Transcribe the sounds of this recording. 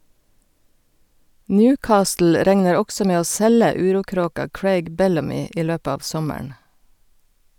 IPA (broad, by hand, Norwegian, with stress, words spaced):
ˈnjʉːˌkɑːstl̩ ˈɾɛŋnəɾ ˈɔɡsɔ ˈmeː ˈoː ˈsɛlə ˈʉːˌɾuːˌkɾoːkɑ ˈkɹeɪɡ ˈbɛlɑmɪ ˈiː ˈløːp ˈɑːʋ ˈsɔməɳ